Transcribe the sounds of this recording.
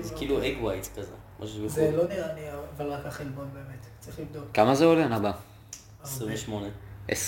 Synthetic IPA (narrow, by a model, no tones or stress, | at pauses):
zkiːlueɡwajtkazḛ | mʔa̰ʃ̬ubeχzelod̪eaniaavalʁakaχelbonbe̞ːmet̪t͡saʁiχlivd̪okkamazeoleanaba | esʁĩmveʃmoneʔes